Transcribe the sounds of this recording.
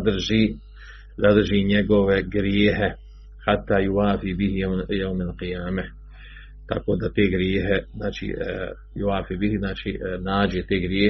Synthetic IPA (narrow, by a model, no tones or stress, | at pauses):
d̪ɾʒi | zad̪əɾʒiɲɛɡoʋɛɡɾjeːɦe | ħat̪ːaːjuwaːfibiɦijawmalqijaːmɛ | t̪a̰kod̪at̪eːɡɾjeːɦɛznaːt͡ʃḭ | juaːfiːbihiznaːt͡ʃinaːd͡ʒet̪eːɡɾjeː